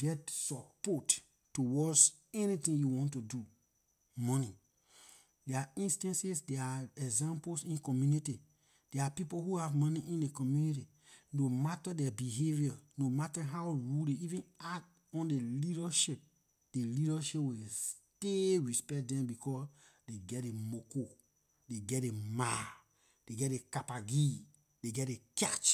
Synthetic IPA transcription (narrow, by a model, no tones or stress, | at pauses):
ɡ̥ɛtsɔpɔtː | uwɔs | ɛnitĩŋjuwɔ̃ntudu | mɔni | dɛaĩnstãnsisdɛaɛɡzãmplsĩnkɔmjuniti | d̥ɛapipolhuhavmɔniʔĩndekɔmjuniti | nomatadɛbiɦeviɔnomataɦawɹuldeivĩnat | ɔ̃ndeliɾaʃip̚ | d̥eliɾaʃipwes | teɹispɛk̚dɛ̃mbikʰɔs | deɡɛt̚demoko | deɡɛt̚dema | d̥eɡɛt̚dekapaɡi | deɡɛtekat͡ʃ